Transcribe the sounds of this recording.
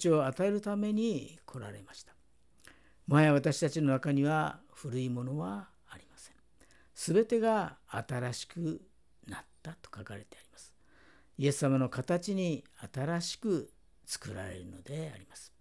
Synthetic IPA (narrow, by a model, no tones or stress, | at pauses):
t͡ɕio̞at̪ae̞ɾɯ̟t̪ame̞ɲ̟ikʰo̞ɾa̰ɾe̞̰maɕi̥t̪ḁ | majaβat̪aɕi̥t̪at͡ɕino̞nakaɲ̟iβa | ɸɯ̟ɾɯ̟imo̞no̞βaː | ɾʲimasẽ̞ | sɨbe̞t̪e̞ɡaːt̪aɾaɕi̥kɯ | nat̪ːat̪o̥kakaɾe̞t̪e̞aɾʲimasɨ̥ | ie̞sːamano̞kat̪at͡ɕiɲ̟iat̪aɾaɕi̥kɯ̟ | t͡sɨ̥kɯɾa̰ɾe̞̰ɾɯ̟no̞̰d̪e̞a̰ɾʲimasɨ̥